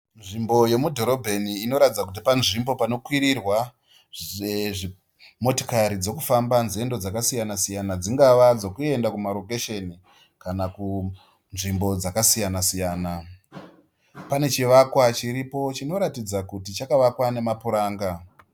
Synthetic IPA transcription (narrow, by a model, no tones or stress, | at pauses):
nʐimbo̞je̞mudʱo̞ɾo̞bʱe̞niːno̞ɾatid͡zak̬ut̬ipanʐimbo̞pano̞kwiɾirwa | eʐi | mo̞to̥kaɾid͡zo̞kufambanze̞ndo̞d͡zakasijanasijanad͡ziŋɡaʋad͡zo̞kue̞ndakumaɾokeʃe̞ni | kanaku | nʐimbo̞d͡zakasijanasijaːna | pane̞t͡ʃiʋakwat͡ʃiɾipo̞t͡ʃino̞ɾatid͡zakutit͡ʃakaʋakwane̞mapuɾaːŋɡa